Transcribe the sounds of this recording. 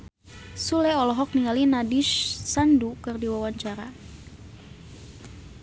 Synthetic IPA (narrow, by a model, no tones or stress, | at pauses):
sulɛɔlɔɦɔk̚niŋalinadiʃsandukɨrdiwawaɲt͡ʃaɾa